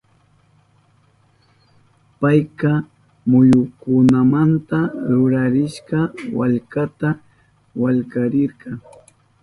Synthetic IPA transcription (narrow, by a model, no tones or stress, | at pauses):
pajqɑ | mʊjʊkʊnamant̪aɾʊɾaɾɪʃqɑwa̰ʎkat̪a | waʎkaɾɪɾqɑŋ